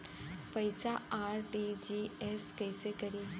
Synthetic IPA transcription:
pɐɪsaaːɾʈid͡ʒieskɐɪsekɐɾiː

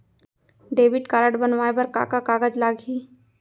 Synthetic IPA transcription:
ɖeːʋɪʈkaːɾəɽbənʋaːebəɾka̰ːkakaːɡəd͡ʒlaːɡʱɦiː

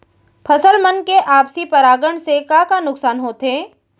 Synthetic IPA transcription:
pʰɐsəlmɐnkeʔaːpsipɐɾaːɡəɽsekakanʊksaːnɦoːt̪ɦẽː

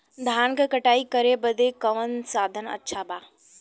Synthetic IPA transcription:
d̪ʱaːnkəkəʈaːikəɾebəd̪ekəʋənsaːd̪ʱənə̰tːʃʰabaː

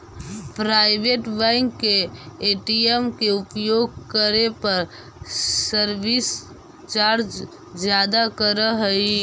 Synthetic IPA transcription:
pɾaːɪbeʈbɛ̃ŋkːeːʈiemkeʊpjoːɡ̚kəɾepəɾː | əɾbis | t͡ʃaːɾd͡ʒ | d͡ʒjaːd̪akəɾəɦəi

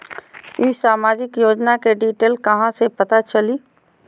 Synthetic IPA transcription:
isaːmaːd͡ʒɪkjoːd͡ʒnakeɖiːʈeːlkɐɦãsepɐt̪at͡ʃəliː

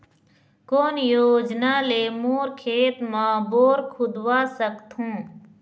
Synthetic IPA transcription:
koːnjoːd͡ʒnaːleːmoːɾkʰeːt̪maːboːɾkʰʊd̪waːsəkt̪ɦũː

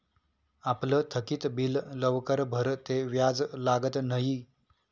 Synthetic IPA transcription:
aplət̪ʰəkiːt̪billəʋkəɾbʱəɾt̪eʋjad͡zlaɡət̪nəɦi

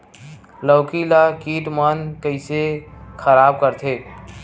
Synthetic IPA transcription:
ləʊkilakiʈmənkəɪsekʰəɾab̚kəɾt̪ʰe

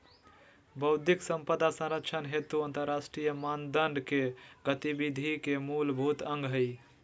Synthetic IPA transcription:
bəʊd̪ʱiksəmpəd̪asə̃ɾəkt͡ʃʰənɦet̪uənt̪əɾːasʈɾijəmand̪əɳɖkeɡət̪ibid̪ʱikemulbʱut̪ə̃ŋɡɦəj

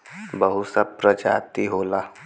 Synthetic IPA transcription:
bəɦusəpɾəd͡ʒa̰ːt̪iɦoːlaː

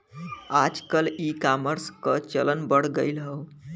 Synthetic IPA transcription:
ad͡ʒkəlikaməɾskət͡ʃələnbəɽ̤ɡəɪlɦəw

